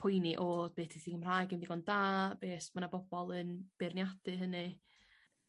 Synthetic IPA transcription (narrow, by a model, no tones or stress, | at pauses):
pʰʊjniʔoːd̥̚beːtiθiɡəmr̥ajɡɪmdiɡɔndaːb̥eːsmanabɔbɔlˠənb̥ɪrnjad̥ɨɦənɨ